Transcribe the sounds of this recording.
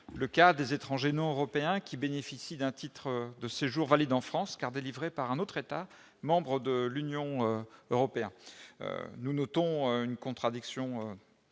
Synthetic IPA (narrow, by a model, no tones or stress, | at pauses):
ləkad̪ezet̪χɑ̃ʒenɔ̃øʁɔpeɛ̃kʲibenefisid̪ɛ̃t̪it̪χəd̪əseʒuʁvalid̪ɑ̃fχɑ̃skaʁd̪elivʁepaʁɛ̃not̪χet̪a | mɑ̃bʁəd̪əlynjɔ̃øøʁɔpeɛ̃nø̰nunɔt̪ɔ̃øynkɔ̃t̪χad̪iksjɔ̃ø